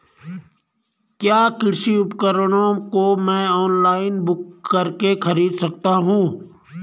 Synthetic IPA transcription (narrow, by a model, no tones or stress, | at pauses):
kjaːkɪɾsiʊpkəɾəɽ̃õkomɛ̃ːɔːnlaːɪnbʊkːəɾkekɐɾiːd̪sɐk̚t̪aɦũː